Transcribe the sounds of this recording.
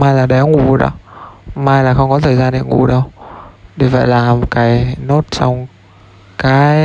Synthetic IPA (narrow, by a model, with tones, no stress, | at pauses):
maː˧jlaː˨˩ɗɛ˨˦ŋṵ˧˩˨ɗɔ̰˨˦maː˧jlaː˨˩xə˧wŋ͡mkɔ˨˦t̪ʰəː˨˩jzaː˧nɗḛ˧˨ŋṵ˧˩ɗə˧wɗi˨˩və̰˧˨jlaː˨˩mo˨˩t̚kaː˨˦jno˦˥t̚t͡ɕɔ˧wŋ͡m | kaː˨˦